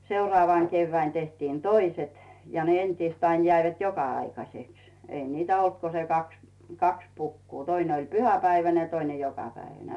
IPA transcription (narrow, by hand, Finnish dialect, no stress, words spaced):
seurŏɑˑʋɑˑŋ keyʋːæin tehtiːn toiset jɑ ne entiːst ɑin jæiʋæt jokɑɑikɑseks ei niːtæ olt ko se kɑks kɑks pukːuː tøine olʲ pyhæpæiʋæne jɑ toine jokɑpæiʋæne